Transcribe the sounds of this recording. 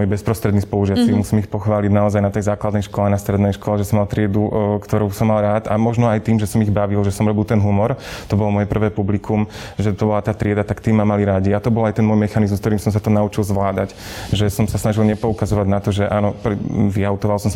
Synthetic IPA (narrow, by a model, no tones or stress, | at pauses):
mɔjbɛspɾɔst̪ɾɛd̪nispɔuʒɪat͡simusiːmixpɔxʋaːliɟnaɔzajnat̪ɛjzaːklad̪nɛjʃkɔlɛnast̪ɾɛd̪nɛjʃkɔlɛʒɛsɔmalt̪ɾɪɛd̪ukt̪ɔɾuʊsɔmːalˠɾaːt̪amɔʒnɔajt̪iːmʒɛsɔmiɣbaʋilʒɛsɔmɾɔbilt̪ɛnɦumɔɾt̪ɔbɔlɔmɔjɛpr̩ʋɛːpublikʰum | ʒɛt̪ɔbɔlat̪aːt̪ɾɪɛd̪at̪akt̪iːmːamaliɾaɟiat̪ɔbɔlajt̪ɛnmɔjmɛxanizm̩skt̪ɔɾiːmsɔms̬at̪ɔnaut͡ʃilˠzʋlaːd̪ac | ʒɛsɔmsasnaʒilɲɛpɔukazɔʋaɟnat̪ɔʒɛʔaːnɔpɾʋiaʊt̪ɔʋalˠsɔms